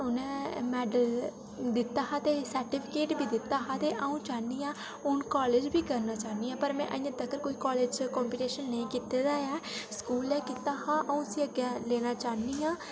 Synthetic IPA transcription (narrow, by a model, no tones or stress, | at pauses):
ʊnɛ̃ːmɛːɖəl | d̪ɪt̪ːaːɦãːt̪eːsəɾʈɪːpʰɪkeːʈbʱiːd̪ɪt̪ːaːɦãːt̪eːʔəũːt͡ʃaːniːãː | ʊnkɔːleːd͡ʒbʱiːkəɾnaːt͡ʃaːniːãːpəɾmɛ̰̃ːʔə̰ĩːãːd̪əkəɾkoːiːkɔːleːd͡ʒkɔːmpiːʈeːʃənːəĩːkɪt̪ed̪aːɛːskuːlɛːkɪt̪aːhãːʔəũːəsĩːəɡjɛːleːnaːt͡ʃaːniːãː